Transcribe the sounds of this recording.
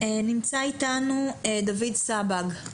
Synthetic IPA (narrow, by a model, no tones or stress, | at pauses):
enimt͡saitanued̪avidsabaɡ